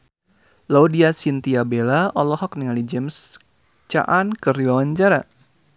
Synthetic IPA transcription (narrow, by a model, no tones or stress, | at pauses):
laudiasint̪iabelaɔlɔhɔk̚niŋalid͡ʒɛms | t͡ʃa̰ʔankəriwawaɲt͡ʃaɾa